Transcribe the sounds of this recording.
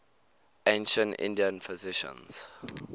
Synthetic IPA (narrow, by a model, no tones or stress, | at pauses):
ẽnʃə̃ntɪ̰̃ndiə̃nfɪzɪʃə̰̃ns